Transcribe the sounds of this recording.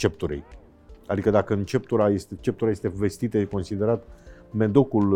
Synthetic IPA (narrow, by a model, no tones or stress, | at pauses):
t͡ʃe̞p̚t̪uɾḛj | ad̪ikəd̪akəɨnt͡ʃe̞p̚t̪uɾaje̞st̪et͡ʃe̞p̚t̪uɾaje̞st̪eve̞st̪it̪əjeko̞nsid̪e̞ɾat̪ | me̞d̪o̞kul